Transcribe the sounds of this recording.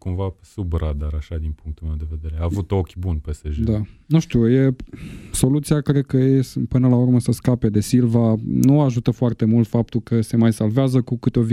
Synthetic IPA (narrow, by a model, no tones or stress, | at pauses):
kumvasubɾad̪aɾaʃad̪inpuŋk̚t̪ulme̞wd̪e̞ve̞d̪e̞ɾeaːvut̪o̞kʲbunpeseʒd̪anuʃt̪uje̞so̞lut̪siakɾe̞d̪̚kəjespɨnəlaurməsəskape̞d̪e̞silvanuaʒut̪əfoart̪e̞mult̪fap̚t̪ulkəse̞majsalveazəkukɨt̪eo̞v